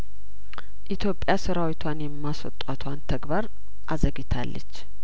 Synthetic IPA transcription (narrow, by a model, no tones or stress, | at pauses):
ʔit̪ʰjo̞pʼːjasɨɾawit̪ʰwanjɛmːaswɔ̰t̪ʼːat̪ʰwant̪ʰəɡbaɾ | ʔazəɡit̪ʰa̰lːə̰t͡ʃː